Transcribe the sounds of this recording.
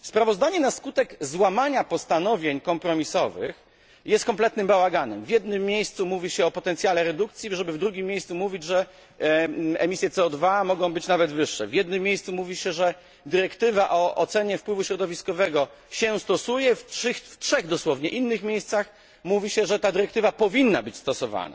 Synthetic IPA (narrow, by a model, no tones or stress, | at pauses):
fspɾavɔzd̪aɲɛnaskut̪ɛɡzwamaɲapɔst̪anɔvʲjeɲkɔmpɾɔmʲisɔvɘ̰x | jɛst̪̚kɔmplɛt̪nɘmbawaɡanɛmvjɛd̪̚nɘmːjejst̪sumuvʲiɕɛɔpɔt̪ɛnt̪sʲjalɛɾɛd̪ukt̪sʲjiʐɛbɘvd̪ɾuɡʲimːjejst̪sumuvʲid͡ʑʐɛ | ɛ̰mʲisʲjɛt̪sɛɔd̪vamɔɡɔ̃w̃bɘt͡ɕnavɛd̪vɘʂːɛ̰vjɛd̪nɘmʲːjejst̪sumuvʲiɕɛʐɛ | d̪ɘɾɛkt̪ɘvaʔɔʔɔt̪sɛɲɛfpwɘvuɕɾɔd̪ɔvʲiskɔvɛɡɔ | ɕɛst̪ɔsujɛfʂɘxftʂɛɣd̪ɔswɔvɲɛʔinːɘxmʲjejst̪sax | muvʲiɕɛʐɛt̪ad̪ɘɾɛkt̪ɘvapɔvʲinːabɘt͡ɕst̪ɔsɔva̰na̰